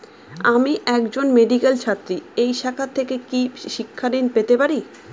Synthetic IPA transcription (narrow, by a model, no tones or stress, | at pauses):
amiʔɛkd͡ʑonmeɖikelt͡ɕʰat̪ːɾiejʃakʰat̪ʰːekekiʃikʰːad̪inpet̪epaɾi